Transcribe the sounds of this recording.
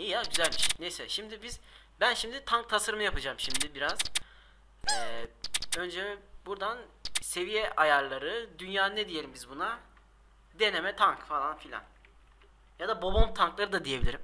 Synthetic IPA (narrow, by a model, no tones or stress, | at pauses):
ijaɟyzælʲbiʃejnejsɛʃimd̪ibiz̥ | bænʃimd̪it̪ʰaŋk̚t̪ʰasaɾɯmɯjapʰad͡ʒaːmʃimd̪ibiɾaz̥ | ɛ | ø̞nd͡ʒɛbuɾd̪anse̞vijɛʔajaɾlˠaɾɯd̪ynjaːnɯnɛd̪ije̞lʲimbizbuna | d̪e̞nemɛt̪ʰaŋkfalˠanfilʲa̰n | jad̪abo̞bomt̪ʰaŋklˠaɾɯd̪ad̪ijebilʲiɾim